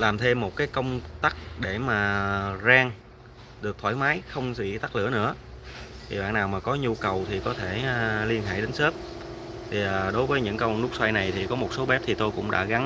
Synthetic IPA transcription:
laː˨˩mt̪ʰe˧mːo˨˩t̚kaː˨˦jkə˧wŋ͡mt̪a˦˥k̚ɗe˧˩maː˨˩zaː˧ŋ | ɗɨ˨˩ək̚t̪ʰwaː˧˩jmaː˨˦jxə˧wŋ͡mwḭ˧˨t̪a˦˥k̚lɨ̰˧˥ənɨ̰˧˥ə | t̪ʰi˨˩ɓa̰ː˧˨naː˨˩wmaː˨˩kɔ˨˦ɲu˧kə˨˩wt̪ʰi˨˩kɔ˨˦t̪ʰeː˧˩˨li˧ənɦa̰ː˧˨jɗe˨˦n̟se˦˥p̚ | t̪ʰi˨˩ʔaː˨˩ɗo˨˦jvəː˨˦jɲɨ̰˧˥ŋkə˧wnʊ˦˥k̚swa˧jna˨˩jt̪ʰi˨˩kɔ˨˦mo˨˩t̚so˨˦ɓɛ˦˥p̚t̪ʰi˨˩t̪o˧jkʊ̰˧˥ŋ͡mɗa̰ː˧˥ɣa˨˦n

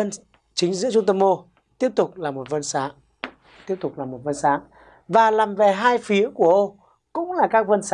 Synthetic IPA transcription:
ə˧n | t͡ɕï˨˦ŋ̟zɨ̰˧˥t͡ɕʊ˧ŋ͡mt̪ə˧mo˧ | t̪i˦˥əp̚t̪ʊ˨˩k͡p̚laː˨˩mo˨˩t̚və˧nsa̰ː˧˥ʔ | t̪i˦˥əp̚t̪ʊ˨˩k͡p̚laː˨˩mo˨˩t̚və˧nsa̰ː˧˥ʔ | vaː˨˩laː˨˩mve˨˩ɦaː˧jfi˨˦əku˧˩əʔə˧ŋ͡m | kʊ̰˧˥ŋ͡mlaː˨˩kaː˦˥k̚və˧ns

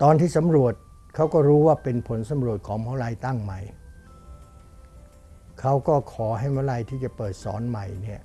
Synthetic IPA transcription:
t̪ɔː˧nt̪ʰiː˥˩sa˨˦mɾu˨˩ət̪̚ | kʰa˦˥wkɔː˥˩ɾuː˦˥waː˥˩pe˧npʰo˩˦nsa˨˦mɾu˨˩ət̪̚kʰɔː˩˦ŋmʰa˦˥wɾa˧jt̪a˥˩ŋma˨˩j | kʰa˦˥wkɔː˥˩kʰɔː˩˦ɦa˥˩jma˦˥wla˧jt̪ʰiː˥˩t͡ɕa˨˩pɤː˨˩t̪̚sɔ̰ː˩˦nma˨˩jni˥˩ə

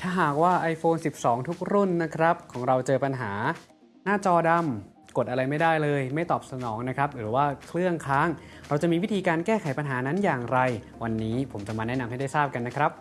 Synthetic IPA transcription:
t̪ʰaː˥˩ɦaː˨˩k̚waː˥˩ʔa˧jfoː˧nsi˨˩p̚sɔː˩˦ŋt̪ʰu˦˥k̚ɾu˥˩nːa˦˥kʰɾa˦˥p̚kʰɔː˩˦ŋɾa˧wt͡ɕɤː˧pa˧nɦaː˩˦ | naː˥˩t͡ɕɔː˧da˧m | ko˨˩t̪ʔa˧ɾa˧jma˥˩jdaː˥˩jlɤː˧jma˥˩jt̪ɔː˨˩p̚sa˧nɔː˩˦ŋna˦˥kʰɾa˦˥p̚ɾɯː˩˦waː˥˩kʰɾɯ˥˩əŋkʰaː˦˥ŋɾa˧wt͡ɕa˨˩ʔmiː˧wi˦˥t̪ʰiː˧kaː˧nkɛː˥˩kʰa˨˩˦jpa˧nɦaː˩˦na˦˥njaː˨˩ŋɾa˧j | wa˧nːiː˦˥pʰo˩˦mt͡ɕa˨˩ʔmaː˧nɛ˦˥na˧mhɦa˥˩jda˥˩jsaː˥˩p̚ka˧nːa˦˥kʰɾa˦˥p̚

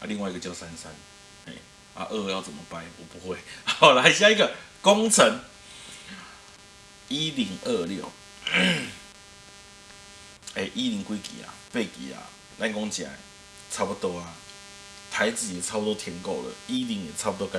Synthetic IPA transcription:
ʔa̰˦li˧ŋwa˥˧˨i˧ɡə˨t͡ɕja˧sa˦nsa˦n | hḛ̃˨ | ʔa̰˧ʔə˥˧˦ja˥˧˩ʊt͡sə˨˩nmə˨˦pa˧ɪwɔ˨˩pu˨˦hwe˥˧˨hɔ˨˦la˧˨ɕ̬jã˦i˦˥ɡə˨ | kɔ˦ŋt͡sʰə˨˦ŋ | i˦li˨˦ŋʔə˥˧ljɔ˥˨˩ʊ | e˨˩ʔi˦ɾi˨˦ŋkwi˦kḭ˨a̰˨pe˥˨kḭ˨a̰˨ | la˥˧nkɔ˦ŋt͡ɕjã̰˨˩ḛ˨ | t͡sʰa˦pu˧t̪ɔ˧a˧ | t̪ʰa˨˦ɪt͡sɨi˨˩e˨˩t͡sʰa˦pu˧t̪ɔ˦t̪ʰjɛ˧nkɔ˥˧˨lə̰˨i˦li˨˧˦ŋe˨˩t͡sʰa˦pu˧t̪ɔ˧ka˧˦

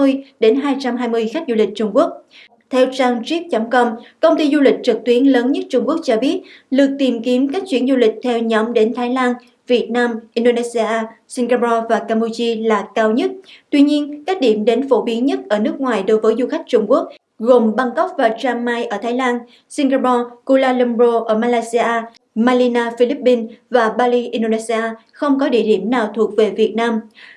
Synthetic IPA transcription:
ɨ˧əjɗe˨˦nɦaː˧jt͡ɕa˧mɦaː˧jmɨ˧əjxa˦˥k̟̚zu˧lï˨˩k̟̚t͡ɕʊ˧ŋ͡mku˦˥ək̚ | t̪ʰɛ˧wt͡ɕaː˧ŋt͡ɕi˦˥p̚t͡ɕə˨˦mkə˧ŋ͡mkə˧wŋ͡mt̪i˧zu˧lï˨˩k̟̚t͡ɕɨ˨˩k̚t̪wi˨˦ənləː˨˦nɲə˦˥t̚t͡ɕʊ˧ŋ͡mku˦˥ək̚t͡ɕɔ˧ɓi˦˥ət̚lɨ˨˩ək̚t̪i˨˩mki˨˦əmkaː˦˥k̚t͡ɕwi˧˩ənzu˧lï˨˩k̟̚t̪ʰɛ˧wɲɔ˨˦mɗe˨˦nt̪ʰaː˨˦jlaː˧n | vi˨˩ət̚naː˧mʔi˧nɗo˧ne˧si˧aː˧si˧ŋɣa˧pɔ˧vaː˨˩kaː˧mɓu˧t͡ɕi˧laː˨˩kaː˧wɲə˦˥t̚t̪wi˧ɲi˧ənkaː˦˥k̚ɗi˧˩əmɗe˨˦nfo˧˩ɓi˨˦ənɲə˦˥t̚ʔəː˧˩nɨ˦˥ək̚ŋwaː˨˩jɗo˨˦jvəː˨˦jzu˧xa˦˥jk̟̚t͡ɕʊ˧ŋ͡mku˦˥ək̚ | ɣo˨˩mɓa˧ŋkə˦˥wk͡p̚vaː˨˩t͡ɕaː˧mːaː˧jʔəː˧˩t̪ʰaː˨˦jlaː˧n | si˧ŋɣaː˧pɔ˧ko˧laː˧lə˧mɾo˧ʔəː˧˩maː˧laː˧jsi˧ʔaː˧ | maː˧li˧naː˧fi˧li˦˥p̚ːi˧nvaː˨˩ɓaː˧li˧ʔi˧nɗo˧ne˧si˧ʔaː˧xə˧wŋ͡mkɔ˨˦ɗḭ˧˩əɗi˧˩əmnaː˨˩wt̪ʰu˨˩ək̚ve˨˩vi˨˩ət̚naː˧m

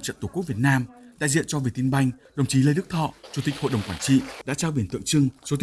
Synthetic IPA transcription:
t͡ɕə̰˧˨nt̪kk̚vət̚naː˧mɗa̰ː˧˨zḭ˧˨ənt͡ɕɔ˧vi˨˩t̪̚i˧nɓa˧jŋ̟ɗə˨˩wŋ͡mt͡ɕi˨˦le˧jɗɨ˦˥k̚t̪ʰɔ̰˧˨t͡ɕu˧˩t̪i˨˩k̟̚ho̰˧˨jɗə˨˩wŋ͡mkwaː˧˩nt͡ɕḭ˧˨ɗa̰ː˧˥t͡ɕaː˧wɓi˧˩ənt̪ɨ̰˧˨əŋt͡ɕɨ˧ŋso˨˦t̪ʰ

